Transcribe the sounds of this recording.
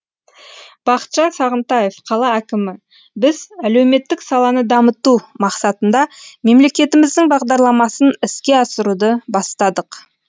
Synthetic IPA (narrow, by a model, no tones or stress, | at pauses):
b̥ɑqə̥t̪ʃɑnsɑʁənt̪ɑje̞fqʰɑlˠɑækʲɪmɪ | bɪzælewme̞t̪ːɪksɑlˠɑnəd̪ɑmət̪umɑqsɑt̪ənd̪ɑme̞mle̞kʲe̞t̪ɪmɪzd̪ɪŋbɑʁd̪ɑɾlˠɑmɑsənɪskʲe̞ɑsəɾud̪əbɑst̪ɑd̪əq